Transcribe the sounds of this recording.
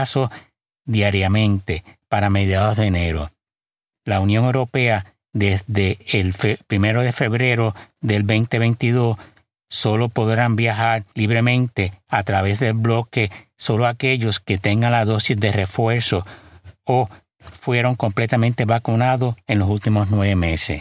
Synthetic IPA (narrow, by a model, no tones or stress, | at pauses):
so | ðjaɾjamẽ̞nt̪e̞paɾame̞ðjaðo̞zðene̞ɾo̞̰ | launjõ̞ŋe̞wɾo̞pe̞a | ðe̞sðe̞ːlfpɾime̞ɾo̞ðe̞fe̞βɾe̞ɾo̞ðe̞lbejnt̪e̞βe̞jnt̪iðo̞s | so̞lo̞po̞ðɾambjaɦaɾliβ̞ɾe̞mẽ̞nt̪e̞at̪ɾaβe̞zðe̞lblo̞ke̞so̞loake̞ʝo̞ske̞t̪e̞ŋɡaŋlaðo̞sisðere̞fwe̞ɾso̞o | fwe̞ɾo̞ŋko̞mple̞t̪amẽnt̪e̞βakunaðo̞se̞nlo̞s̬ult̪imo̞snwe̞βe̞me̞se̞̰